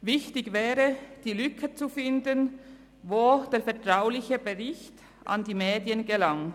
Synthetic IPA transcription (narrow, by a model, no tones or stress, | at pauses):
vɪçtɪɡvɛːʁəd̥iːlʏkʰət͡sufɪndən | voːd̥eːɐfɛɐtʁaʊlɪçəbəʁɪçt | ʔa̰ndiːmɛːdjənɡəlaŋ